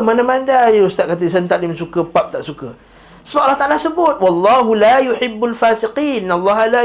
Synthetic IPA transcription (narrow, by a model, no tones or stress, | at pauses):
manamandajəust̪aʔkat̪̬əisənt̪aʔdimsukəpap̚t̪aʔsukə | səbap̚alːɑht̪aʔalasəbʊt̪̚wɑlˤːɑɦulajʊħɪbːalfaːsɪqiːnalˤːɑɦala